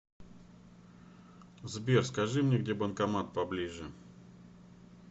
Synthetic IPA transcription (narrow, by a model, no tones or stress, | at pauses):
zbʲerskɐʐɨmnʲeɡdʲebənkɐmat̪̚pɐblʲiʐɨ